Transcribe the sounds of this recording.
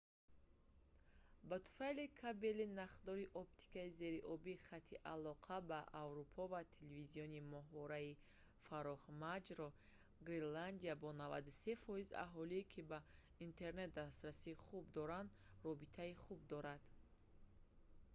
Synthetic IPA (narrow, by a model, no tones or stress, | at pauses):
bat̪ʰu̥falikʰabelinaχd̪ɔɾiʔɔp̚t̪ʰi̥kaize̞ɾiʔɔbiχat̪ʰːiʔalɔqʰabaʔavɾupʰɔvat̪ʰeleviziɔnimɔɦvɔɾai | faɾɔχmad͡ʒɾɔ | ɡɾiland̪iabɔnava̰d̪use̞fɔiza̰ɦɔliːkʰiba | int̪ʰe̞ɾne̞t̪̚d̪ast̪ɾasiχubd̪ɔɾand̪ | rɔbit̪ʰaiχub̚d̪ɔɾad̪̥